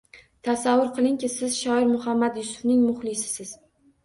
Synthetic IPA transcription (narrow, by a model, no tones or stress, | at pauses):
t̪ʰasavːʊɾqʰɨlˠɪŋkʲɪsɪzʃɒɪɾmʊhamːad̪jʊsʊ̥fnɪŋmʊχlˠɪsɪ̥sɪz̥